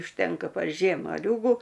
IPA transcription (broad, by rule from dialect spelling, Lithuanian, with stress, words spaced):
ʊʃʲˈtʲɛŋkɐ pɐr ˈʒʲiɛm mɐˈlʲuːɡʊ